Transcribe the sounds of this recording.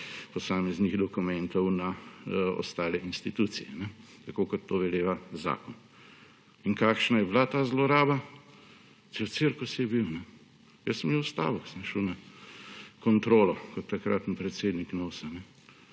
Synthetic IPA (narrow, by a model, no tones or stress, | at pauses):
pɔsaːmɛzniɣd̪ɔkumɛnt̪ɔwnaɔ̰st̪aːlɛʔinst̪it̪ut̪sijɛ̰nɛt̪akoːkɔt̪ːoːʋɛleːʋaza̰ːkɔn | iŋkaːkʃnajɛblat̪aːzlɔɾaːba | sewt̪siɾkusijɛbiwnɛ | jəsːəmjewst̪a̰ːʋɔksəmʃəwna | kɔnt̪ɾoːlɔkɔt̪ːakɾat̪n̩pɾɛt̪seːd̪niknoːsanɛ